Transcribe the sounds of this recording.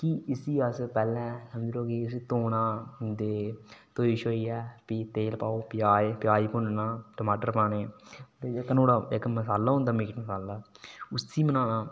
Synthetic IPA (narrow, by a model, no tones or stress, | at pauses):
kiɪsiːəspɛːlɛ̃ːsəmd͡ʒloːkiɪsit̪oːnãːd̪eːt̪oːiʃoːiːɛːpiːt̪eːlpaːoːpɪjaːepjaːiːpʊnnãːʈəmaːʈəɾpãːneːt̪eekːnoːɽaːekməsaːlːaːɦʊnd̪aːmiːkʈməsaːlaːʊsiːmənaːnãː